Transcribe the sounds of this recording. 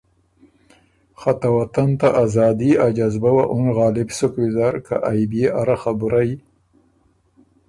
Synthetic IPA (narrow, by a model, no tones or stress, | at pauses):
xat̪awat̪ant̪aʔazɑːd̪iad͡ʒazbawaʔʊnɣɑːlɪbsʊkwizaɾka̰ʔajbjeʔaɾaxabuɾaji